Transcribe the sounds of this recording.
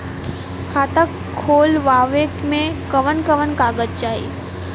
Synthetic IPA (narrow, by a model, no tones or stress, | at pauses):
kʰaːt̪əkʰːoːlʋaːʋekmẽkəʋənkəʋənkaːɡəd͡ʒ̚t͡ʃaːɦḭ